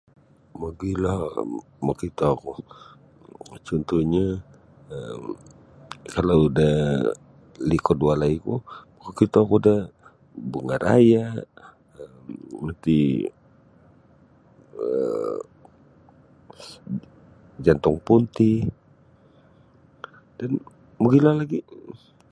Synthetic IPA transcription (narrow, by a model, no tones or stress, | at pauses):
maɡilɔh | makit̪oku | t͡ʃɔnt̪uɲa | əm | kalaudah | likɔdualaikumakukit̪okudah | buŋaɾa̰ja | əmmənt̪i | ə | d͡ʒant̪ɔŋpunt̪i | dan | muɡilahlaɡi